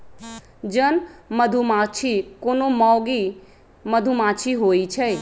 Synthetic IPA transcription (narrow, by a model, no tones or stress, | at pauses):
d͡ʒənməd̪ʱumat͡ʃʰikonomɔʊɡi | məd̪ʱumat͡ʃʰiɦojt͡ʃʰəj